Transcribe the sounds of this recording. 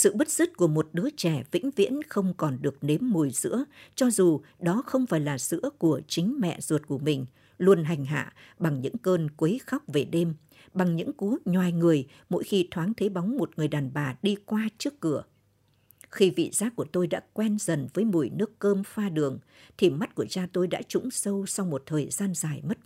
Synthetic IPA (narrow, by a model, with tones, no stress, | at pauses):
sɨ̰˧˨ɓɨ˦˥t̚z̥ɨ˦˥t̚ku˧˩əmo˨˩t̚ɗɨ˨˦ət͡ɕɛ˧˩vḭ˧˥ŋ̟vḭ˧˥nxə˧wŋ͡mkɔ˨˩nɗɨ˨˩ək̚ne˨˦mːu˨˩əjzɨ̰˧˥ət͡ɕɔ˧zu˨˩ɗɔ˨˦xə˧wŋ͡mfaː˧˩jlaː˨˩zɨ̰˧˥əku˧˩ət͡ɕï˨˦ŋ̟mɛ̰˧˨z̥u˨˩t̚ku˧˩əmï˨˩ŋ̟ | lu˧ənɦa˨˩jŋ̟ɦa̰ː˧˨ɓa˨˩ŋɲɨ̰˧˥ŋkəː˧nkwe˨˦jxa˦˥wk͡p̚ve˨˩ɗe˧m | ɓa˨˩ŋɲɨ̰˧˥ŋku˨˦ɲwaː˨˩jŋɨ˨˩əj | mo̰˧˥jxi˧t̪ʰwaː˨˦nt̪ʰe˨˦ɓa˨˦wŋ͡mmo˨˩t̚ŋɨ˨˩əjɗaː˨˩nɓaː˨˩ɗi˧kwaː˧t͡ɕɨ˦˥əkːɨ˧˩ə | xi˧vḭ˧˨zaː˨˦˥ku˧˩ət̪o˧jɗa̰ː˧˥kwɛ˧nzə˨˩nvəː˨˦jmu˧˩jnɨ˦˥əkːəː˧mfaː˧ɗɨ˨˩əŋ | t̪ʰi˨˩ma˦˥t̚ku˧˩ət͡ɕaː˧t̪o˧jɗa̰ː˧˥t͡ɕʊ˧˥ŋ͡msə˧wsa˧wŋ͡mmo˨˩t̚t̪ʰəː˨˩jzaː˧nzaː˨˩jmə˦˥t̚